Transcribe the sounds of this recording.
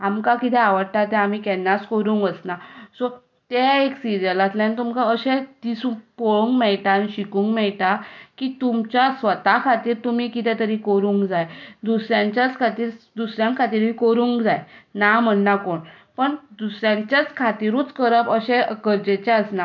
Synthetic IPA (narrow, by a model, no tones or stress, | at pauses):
amkakit̪ʰɛ̃aʋəɽʈ̪at̪ɛam̤ikɛnːaskoɾũːŋkəsnasɔ | t̪ɛeksiɾəlat̪lãnit̪umkaəɕɛ̃d̪̥isupoɭũŋkmɛɭt̪aniɕikũːŋkmɛɭt̪akiːt̪umt͡ɕjasʋət̪akʰat̪iːɾt̪um̤iːkit̪ʰɛ̃t̪əɾikoɾuːŋkd͡zajd̪usɾjãɲt͡ɕjat͡skʰat̪iːɾd̪usɾjãŋkʰat̪iːɾʋikoɾuːŋkd͡zajnam̤ənːakoɳ | pəɳd̪usɾjãɲt͡ɕjat͡skʰat̪iɾũːt͡skəɾəpəɕɛ̃kəɾd͡ʑet͡ɕɛəsna